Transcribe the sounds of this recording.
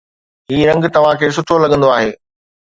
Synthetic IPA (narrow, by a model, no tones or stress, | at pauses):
ɦiːɾɐ̃ŋɡt̪ɐʋ̤ãkʰeːs̬ʊʈʰolɐɠə̃nd̪oaːɦeː